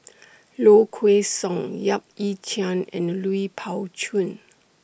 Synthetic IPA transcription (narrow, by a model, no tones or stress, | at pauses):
lokʰwesɔ̃ŋjap̚it͡ʃʰiãnɛ̰̃nluipʰaʊt͡ʃʰũn